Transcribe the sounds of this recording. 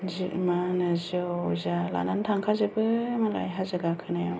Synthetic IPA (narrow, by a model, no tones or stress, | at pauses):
zɯʔmanɯzɯzala̰nantʰaŋkʰazɯbɯmala̰jɦazɯɡakʰɯnajɔ